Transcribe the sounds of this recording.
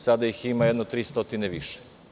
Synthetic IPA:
sad̪ajiximajɛd̪not̪ɾiːst̪ot̪ineʋiʃe̥

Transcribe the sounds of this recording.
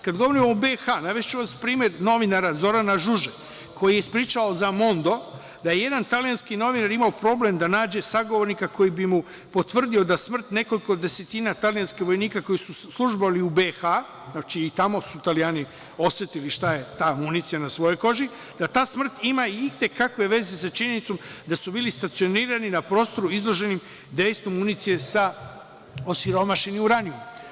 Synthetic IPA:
kad̪ɡo̞ʋo̞ɾimobe̞xanaʋest͡ʃuʋaspɾiːmje̞ɾno̞ʋinaɾazo̞ɾanaʒuʒe | kʰo̞jijeispɾiːt͡ʃaozamo̞nd̪o̞ | d̪aje̞je̞d̪ant̪alijanskino̞ʋinaɾimaopɾo̞ːble̞md̪anaːd͡ʑe̞saɡoʋo̞ɾnikako̞jibimu | po̞t̪ʋr̩d̪io̞d̪asmr̩t̪ne̞ko̞liko̞d̪e̞se̞t̪inat̪alijanskiʋo̞jniːkako̞jisuslˠuʒbaliubexa | znat͡ʃiːt̪amo̞sut̪alijaːni | o̞sʋet̪iliʃt̪ajet̪aːmunit̪sijanasʋo̞jo̞jko̞ʒi | d̪at̪aːsmr̩t̪imaiit̪e̞kakʋe̞ʋe̞ze̞sat͡ʃiɲe̞nit̪so̞md̪asubiːlist̪at̪sio̞niːɾaninapɾo̞ːst̪o̞ɾuizlˠo̞ʒe̞nim | d̪ejst̪omːunit̪sije̞sa | o̞siɾo̞maʃe̞nimuɾaniom

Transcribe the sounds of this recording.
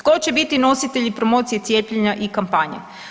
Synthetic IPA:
t̪kot͡ɕebit̪ino̞sit̪e̞ʎipɾomoːt̪sije̞t̪sje̞ːpʎeɲaʔikampaːɲḛ

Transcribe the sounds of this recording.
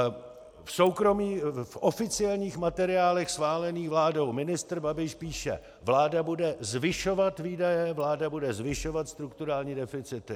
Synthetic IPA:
fso̞wkɾomiːfʔo̞fɪt͡sɪɛlɲiːxmat̪ɛɾɪaːlɛxsxvaːlɛniːxvlaːdo̞wmɪnɪst̪r̩babɪʃpiːʃɛ̰ | vlaːdabudɛzvɪʃo̞vat̪viːdajɛvlaːdabudɛzvɪʃo̞vat̪st̪ɾukt̪uɾaːlɲiːdɛfɪt͡sɪt̪ɪ

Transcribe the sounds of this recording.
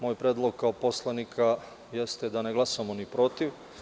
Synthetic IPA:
mojpɾeːd̪lˠoɡ̚kaopo̞slˠanikʰa | jest̪ed̪aneɡlˠasamonipɾo̞t̪iʋ

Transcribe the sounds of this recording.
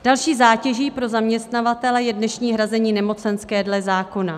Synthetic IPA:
d̥alʃiːzaːcɛʒiːpɾo̞zamɲɛst̪navat̪ɛlɛjɛdnɛʃɲiːɦɾazɛɲiːnɛmo̞t͡sɛnskɛːdlɛzaːko̞na

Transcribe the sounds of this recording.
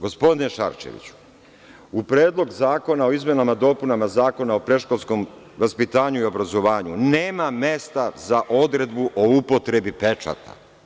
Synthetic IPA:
ɡo̞spo̞d̪ineʃa̰ɾʃḛʋḭt͡ɕu̥ | upɾeːd̪lˠo̞ɡzaːko̞nao̞izme̞namad̪o̞ːpunamazaːko̞nao̞pɾe̞ʃkolʲsko̞m | ʋaspit̪aːɲuio̞bɾazo̞ʋaːɲuneːmame̞st̪azaʔo̞d̪ɾe̞d̪buʔoupo̞t̪ɾe̞bipe̞t͡ʃa̰t̪ʰa̰

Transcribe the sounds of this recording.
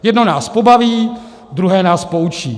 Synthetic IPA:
jɛdnonaːspobaviː | d̪ɾuɦɛːnaːspout͡ʃiː

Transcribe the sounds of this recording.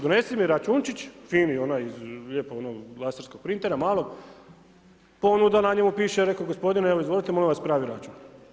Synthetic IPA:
d̪one̞simiɾat͡ʃunt͡ʃit͡ɕfiːnionajizʎʲeːpoonolˠaseɾsko̞ɡ̚pɾint̪eɾamaːlo | po̞nud̪anaɲemupiːʃeɾe̞koɡospo̞d̪ineʋoizʋo̞lˠit̪emo̞limʋaspɾaːʋiɾat͡ʃun

